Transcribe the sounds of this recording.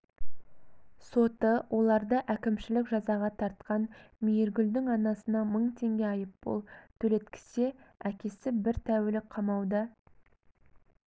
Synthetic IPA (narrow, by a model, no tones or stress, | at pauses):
so̞t̪əwʔo̞lˠɑɾd̪əʔækʲɪmʃɪlɪkʒɑzɑʁɑt̪ʰɑɾt̪̚qɑnmijeɾɡʲʏld̪ɪŋɑnɑsənɑməɴt̪ʰe̞ŋɡʲe̞ɑjəp̚b̥o̰lˠt̪ʰɵle̞t̪kʲʰɪ̥seækʲe̞sɪbɪɾt̪ʰæwɪlɪkqʰɑmɑwd̪ə